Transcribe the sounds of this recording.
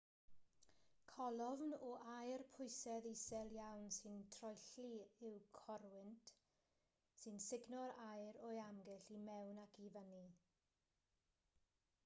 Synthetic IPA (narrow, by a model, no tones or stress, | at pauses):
kʰɔlˠɔvnɔʔajrpʰʊjsɛðisɛlˠjawnsɨntʰrɔjɬiɪwkʰɔɾwɪntʰ | sɨnsɪɡnɔɾajɾɔjamɡɛɬimɛwnakʰivəni